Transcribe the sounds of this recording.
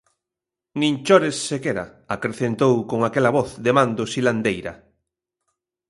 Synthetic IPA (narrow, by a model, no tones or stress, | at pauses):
nĩnt͡ʃɔɾesːekɛɾa̰ | akɾeθent̪owkoŋakɛlɐβɔθðemand̪ʊsiland̪ejɾɐ̰